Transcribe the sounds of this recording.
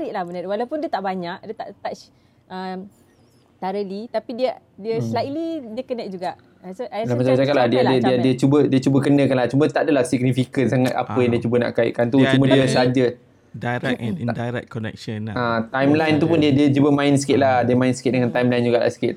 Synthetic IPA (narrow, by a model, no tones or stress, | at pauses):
ɾiʔlahmənaɾwalawpʊndiət̪aʔbaɲaʔdiət̪aʔt̪at͡ʃ | ʔəm | t̪aɾəlit̪apidiə | diəslailidiəkənɛk̚d͡ʒuɡaʔ | sʔalamat͡ʃad͡ʒakat̪̚ʔlahdiəadədiadiət͡ʃubədiət͡ʃubəkənəkanlaht͡ʃumət̪aadəlahsiɡ̚nifikət̪̚saŋat̪a̰pəjaŋdiət͡ʃubəna̰ʔkaḭʔkant̪ut͡ʃumədiəsad͡ʒə | daɾɛdajɾɛ̰k̚kːɔnɛ̰k̚ʃənʔat̪ajmlajnt̪upʊndiədiət͡ʃubəmãɪnskɪt̪̚lahdiəmãɪnsi̥kɪt̪̚dəŋãnt̪ajmlajnd͡ʒuɡaʔla̰si̥ket̪